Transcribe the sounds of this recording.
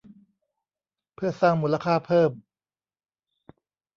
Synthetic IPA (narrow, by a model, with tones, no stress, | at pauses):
pʰɯ˥˩ɐsaː˥˩ŋmuː˦˥la˧kʰaː˥˩pʰɤː˥˩m